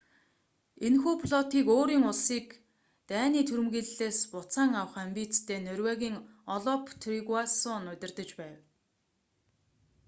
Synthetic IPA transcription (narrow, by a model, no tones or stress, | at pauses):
enxuːpʰɮɔt̪iːkoːɾiːŋʊɮsiːk | t̪æːniːt̪ʰuɾɘ̆mɣiːɮɮeːspʊt͡saːŋawə̆χæmpʲiːt͡st̪ʰeːnœrʲwæːɣʲiːŋɔɮɔpʰt̪ʰriɣwasʊnʊt̪ʲɪ̆rt̪ə̆t͡ɕpæːw